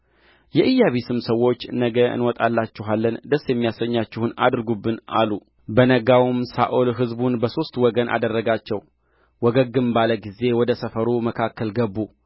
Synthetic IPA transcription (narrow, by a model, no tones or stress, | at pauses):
jɛʔɨjːaβisɨmsəwːo̞t͡ʃːnəɡəɨ̰nwɔt̪ʼalːat͡ʃːɪɦalːənd̪əsːjɛmːijasəɲːat͡ʃːɪhuna̰d̪ɾɨɡubːɨna̰lu | bənəɡawmsaʔolɦɨzbunbəso̞st̪wɔɡənʔa̰d̪ərːəɡat͡ʃːɛw | wɔɡəɡːɨmbaləɡize̞wɔd̪əsəfəɾuməkʰakːəlɡəbːu